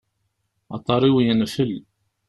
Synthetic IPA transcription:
ɑ̰t̪ˤːɑɾˤiwijænæfəl

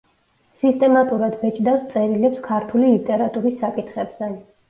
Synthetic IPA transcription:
sist̪ʼɛmat̪ʼuɾad̪vɛt͡ʃʼd̪afst̪sʼɛɾilɛpskʰaɾt̪ʰulilit̪ʼɛɾat̪ʼuɾisːakʼit̪ʰχɛbzɛ

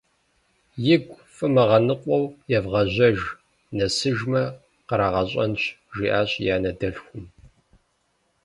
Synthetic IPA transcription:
jɪɡʷfʼɨmɐʁɐnɨqʷʼɔwjɛvʁɐʑʷɐʒ | nɐsɨʒmɐ | qəɾaːʁɐɕʼɐ̰nɕʒiːʔaːɕʼjaːnɐdɐɬxʷʊm

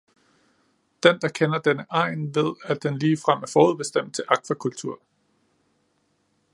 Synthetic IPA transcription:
d̥end̥ɑ̈kʰenɐd̥enəʔɑ̈ɪ̰nʋe̝ð̞̰ˠæd̥enliːfʁam̰æɐfɒːuð̞̰ˠb̥e̝sd̥em̰d̥̚t͡sʰe̝lʔɑ̈kʰʋækʰult͡sʰuɐ̰

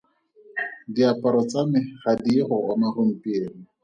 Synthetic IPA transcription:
diapʼaɾɔt͡sʼamɪχadiχʊɔmarʊm̩pʼieːri

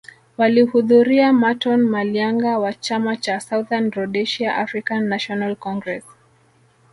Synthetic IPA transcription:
walihuðuɾiamatɔnmaliaŋɡawat͡ʃamat͡ʃasauðanɾɔɗɛʃiaʔafɾikanːaʃɔnalkɔŋɡɾɛs

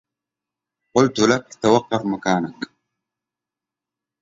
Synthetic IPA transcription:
qʊlt̪ulakt̪awɑqːɑfmakaːnak

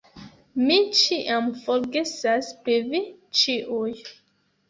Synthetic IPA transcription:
mit͡ʃiʔamfoɾɡesaspɾivit͡ʃiʔuj

